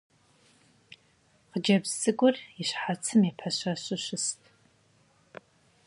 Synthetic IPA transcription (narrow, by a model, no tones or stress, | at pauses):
qəd͡ʒɐbzɨɡʷʊrɪɕħat͡sʰɨmipʰɐɕɐɕɨɕɪstʰʼ